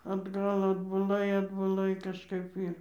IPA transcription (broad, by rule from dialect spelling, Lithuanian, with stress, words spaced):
ɐdˈɡɐlˠ ɐdbʊˈlˠɐɪ ɐdbʊˈlˠɐɪ kɐʃˈkɐɪp ˈiːr